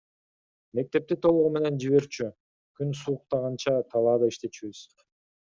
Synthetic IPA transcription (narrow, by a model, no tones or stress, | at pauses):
me̞k̚t̪e̞p̚t̪it̪ʰolˠuʁume̞ne̞nd͡ʒiβe̞ɾt͡ʃy | kʰynsuːq̚t̪ɑʁɑnt͡ʃɑt̪ʰɑlˠɑːd̪ɑiʃt̪e̞t͡ʃiβyz̥